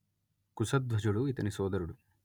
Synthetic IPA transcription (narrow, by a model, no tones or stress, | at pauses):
kusɐd̪ʋɐd͡ʒuɽuit̪ɐnisɔːd̪ɐɾuɽu